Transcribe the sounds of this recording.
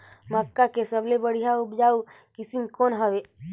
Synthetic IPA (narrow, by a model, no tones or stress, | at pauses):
məkːakesəblebəɽ̤ijaʊpd͡ʒaːu | kɪsimkoːnɦəʋeː